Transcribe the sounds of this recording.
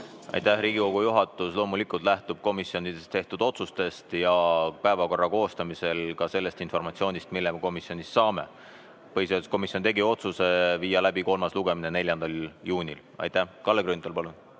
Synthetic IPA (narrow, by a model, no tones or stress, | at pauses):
ɑ̰jt̪ˑæhɾiːɡiko̞ɡ̥ujuɦɑt̪ːˑuslo̞ːmulikˑult̪ˑlæht̪ub̥̚ko̞misio̞nid̪̥est̪e̞ht̪ud̪̥o̞t̪sust̪e̞st̪jɑpæevɑko̞rːɑko̞ːst̪ɑmise̞lkɑse̞lːe̞st̪info̞rmɑt̪sio̞ːnʲist̪milːemeko̞misjo̞nʲissɑːme̞̰ | pɤjset̪sko̞misiont̪e̞ɡio̞t̪suse̞viːjɑlæbiko̞lmɑsluɡ̥e̞mine̞ne̞lʲjɑnd̪̥ɑljuːnʲil | ɑ̰jt̪æhkɑlːekɾynt̪ːˑolpɑlun